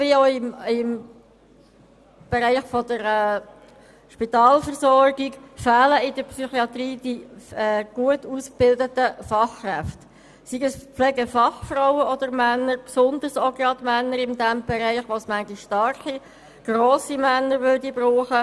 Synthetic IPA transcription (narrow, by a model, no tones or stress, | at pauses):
vioɪmɪm | b̥ɛɾɛɪχfɔdəɾɛː | ʃpit̪ɑːlfəɾsɔɾɡikfæːləɪdəɾpsyχiɑt̪riːd̥iɛːɡ̥uətusk̚b̥ɪldətəfɑχkrɛft | siɡəspflɛɡəfɑχfraʊəʔɔd̥̪əɾmænːəɾpsʊnd̪əɾsɔɡɾɑdmænːəɾɪnd̪æmb̥ɛɾɛɪχʋosmæŋɡiʃʃtɑɾχi | ɡ̥roːsimænːəɾvøɾdibɾuːχə